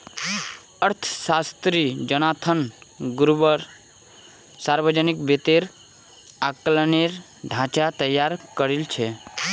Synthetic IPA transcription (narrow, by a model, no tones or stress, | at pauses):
əɾt̪ʰə̥sast̪ɾid͡ʒənat̪ʰənɡuɾubəɾ | saɾbəd͡ʒənikbet̪eɾ | akləneɾ | ɖʱãt͡ʃat̪əjːaɾkəɾilt͡ʃʰe